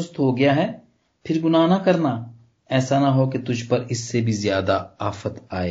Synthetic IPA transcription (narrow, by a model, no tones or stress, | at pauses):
ʊst̪ɦoɡɐjaɦɛː | pʰɪɾɡʊnaːnɐkɐɾna | ɛːsanɐɦoket̪ʊd͡ʒʱpɐɾɪsːebʱizjaːd̪aaːfət̪aːeː